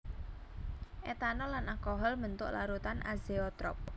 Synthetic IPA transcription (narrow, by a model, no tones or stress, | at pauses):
ʔet̪anɔlanalkɔɦɔlmənt̪ʊʔlaɾut̪anʔa̰zeɔt̪ɾɔ̰p̚